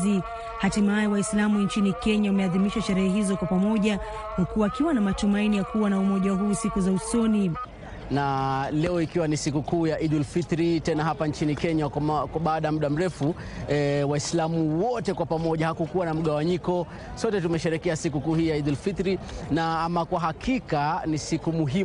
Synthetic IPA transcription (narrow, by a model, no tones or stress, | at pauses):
i | hatimaiwaislamuɲt͡ʃinikɛɲaumɛaðimiʃaʃɛɾɛhɛɦizɔkwapamɔʄa | nakuwaːkiwanamatumainijakuwanaumɔʄaɦuːsikuzausɔni | nalɛɔikiwanisikukuːjaʔidulfit̪ɾitɛnaɦapant͡ʃinikɛɲakkwaɓaːɗajm̩ɗam̩ɾɛfu | waislamuwɔtɛkwapamɔʄahakukuwanam̩ɠawaɲikɔ | sɔtɛtumɛʃɛɾɛkɛasikukuːhiːjaidulfit̪ɾinaamakwaɦakikanisikumuɦim